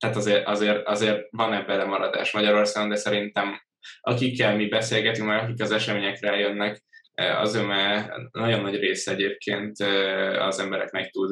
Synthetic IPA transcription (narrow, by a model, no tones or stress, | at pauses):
t̪aːt̪ɒzeːɾʔɒzeːrɒzeːrvɒnɛbːɛlɛmɒɾɒd̪a̰ːʃmɒɟɒɾo̞ːrsaːɡo̞nd̪ɛsɛɾint̪ɛm | ʔɒkikːɛlmibɛseːlɡɛt̪yŋkmɛɾɒkikɒzɛʃɛmeːɲɛkraːjønːɛk | ɒ̰zømɛnɒɟo̞nːɒɟreːsɛɛɟeːp̚kʰeːnt̪øɒ̰zɛmbɛɾɛ̰knɛk̚t̪ud̪